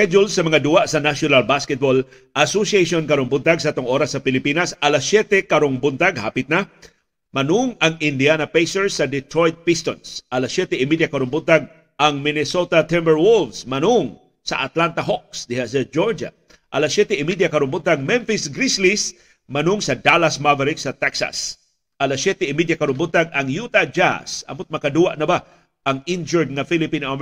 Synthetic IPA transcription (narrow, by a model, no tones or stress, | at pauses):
ɛd͡ʒʊlsːɐmɐŋad̪ʊwaʔsɐnaʃjonalbaskɛt̪̚bol | ʔasosieʃonkɐɾoŋbʊnt̪aɡsɐɐt̪oŋʔoːɾasːɐpɪlɪpiːnɐsʔɐlasːjɛt̪ɛkɐɾoŋbʊnt̪aɡha̰ːpɪt̪̚na | mɐnʊŋɐŋɪnd̪ianapejsɛɹsɐd̪ɛt̪ɾojt̪̚pist̪onsʔɐlasjɛt̪ɛɪmid̪jakɐɾoŋbʊnt̪aɡ̚ | ʔɐŋmɪnɛsot̪at̪ɛmbɛɹwʊlvsmɐnʊŋ | sɐ̰ʔat̪lant̪ɐɦok̚sd̪ɪhas̬ɐd͡ʒoɹd͡ʒa̰ | ʔɐlasjɛt̪ɛɪmid̪jakɐɾʊmbʊt̪aŋmɛnfɪsɡɾislis | mɐnʊŋsɐd̪alasmavɛɾɪksɐt̪ɛksa̰s | ʔɐlasjɛt̪ɛɪmid̪jakɐɾombʊt̪aɡɐŋjut̪ad͡ʒa̰sɐ̰mot̪̚mɐkad̪uwaʔnɐba | ʔɐŋɪnd͡ʒɔɹd̪̚ŋafilɪpinaʔam